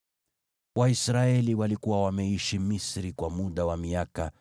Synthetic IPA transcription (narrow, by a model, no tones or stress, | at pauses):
waisɾaɛliwalikuwawamɛiʃimisɾikwamuɗawamiaka